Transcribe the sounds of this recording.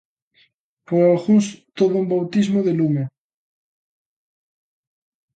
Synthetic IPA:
poɾaxust̪oðʊumbawt̪izmoðelume

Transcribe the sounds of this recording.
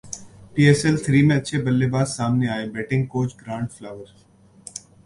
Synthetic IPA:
piːeːsɛlt̪ʰɾiːmẽɐtːʃʰebɐlːebaːd̪saːmneaːebɛːʈɪ̃ŋɡ̚koːt͡ʃɡɾãːɳɖflaːʋəɾ

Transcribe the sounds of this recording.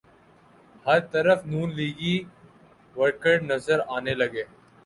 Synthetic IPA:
hɐɾt̪əɾəfnuːnliːɡi | ʋəɾkəʈnɐzəɾaːnelɐɡeː

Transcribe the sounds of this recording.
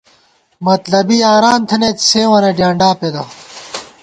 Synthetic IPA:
mɐt̪lɐbiːaːɾaːnt̪ʰɐnet̪seːwɐneɖjaːɳɖaːped̪ɐ

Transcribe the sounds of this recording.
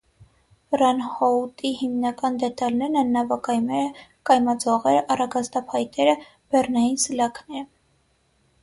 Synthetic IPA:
rɑnhɔut̪ihimnɑkɑnd̪ɛt̪ɑlnɛɾnɛnːɑvɑkɑjmɛɾəkɑjmɑd͡zɔʁɛɾəʔɑrɑɡɑst̪ɑpʰhɑjt̪ʰɛɾə | b̥ɛrnɑjinsəlɑknɛɾə

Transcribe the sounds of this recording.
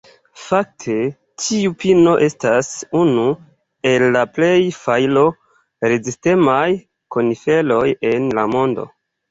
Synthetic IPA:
fak̚tʰe̞ | tʰiupino̞ʔe̞stasunu | e̞lːaple̞jfajlo̞ | ɾeziste̞maj | ko̞nife̞lo̞je̞nlamo̞ndo̞̰

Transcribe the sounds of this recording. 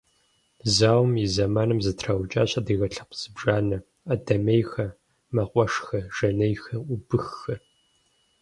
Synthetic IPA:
zaːwmizɐmaːnɨmzɨtʰraːwt͡ʃʼaːɕʼɐdiːɣɐɬɐ̥q̚ʰʷz̥ɨbʒaːnɐ | ɐdɐmejxɐ | mɐqʷʼɔʂxɐʒ̥ɐnejxɐʊbɨxːɐr

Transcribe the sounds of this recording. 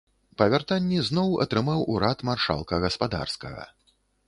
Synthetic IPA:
pɐvʲart̪anʲːiznɔwɐ̰t̪ɾɨmawuɾat̪marʂa̰lˠkɐɣɐspad̪a̰rskɐ̰ɣɐ̰

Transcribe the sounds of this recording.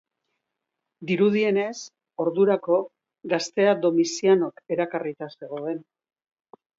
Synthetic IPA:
d̪iɾuð̞ie̞ne̞s | o̞ɾðuɾako̞ | ɡast̪e̞ad̪o̞misiano̞ke̞ɾakarit̪ase̞ɣ̞o̞e̞n

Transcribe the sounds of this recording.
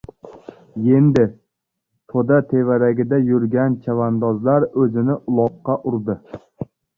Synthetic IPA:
je̞nd̪ɪ | t̪ʰod̪at̪ʰe̞vaɾaɡʲɪd̪ajʊɾɡʲant͡ʃʰavand̪ɒzlaɾɵzɪnɪʔʊlˠɒqːɑʔʊɾd̪ɪ

